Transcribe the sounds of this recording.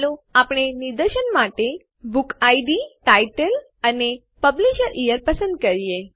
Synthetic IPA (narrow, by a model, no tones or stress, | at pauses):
lũapɳ̃eniɾd̪əɾʃənmaʈe | bukaiɖiʈaiʈəl | əne | pəbliʃəɾʔijəɾpəsə̃nd̪kəɾije